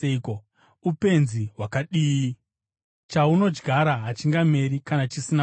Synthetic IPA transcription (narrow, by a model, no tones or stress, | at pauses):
ko | upe̞nziɦwakaɗiːi | t͡ʃauno̞d͡ʒɡʱaɾaɦat͡ʃiŋɡame̞ɾikanat͡ʃisina